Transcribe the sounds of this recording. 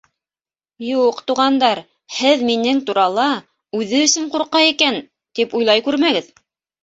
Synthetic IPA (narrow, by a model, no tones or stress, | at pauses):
juqt̪uʁɑnd̪ɑɾ | hɘðminɘŋt̪uɾɑlˠɑ | ʉðɘɵ̆sɵɴquɾqɑjikæn | t̪ipujlˠɑjkʉɾmæɡɘð